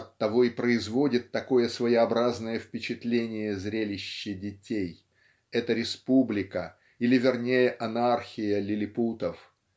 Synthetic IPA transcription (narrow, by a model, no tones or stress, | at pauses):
ɐt̪ːɐvo̞ɪpɾəɪzvo̞dʲɪt̪ːɐko̞jəsvəjɪɐbɾaznəjəfpʲɪt͡ɕɪt̪lʲenʲɪjəzɾʲelʲɪɕːɪdʲɪtʲej | ɛt̪əɾʲɪspublʲɪkə | ilʲɪvʲɪrnʲejəʔɐnarxʲɪjəlʲɪlʲɪput̪əf